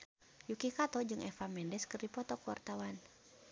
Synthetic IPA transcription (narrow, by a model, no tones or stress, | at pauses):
jukikat̪ɔd͡ʒɨŋɛfamɛndɛskɨrdipɔt̪ɔkuwa̰rt̪awan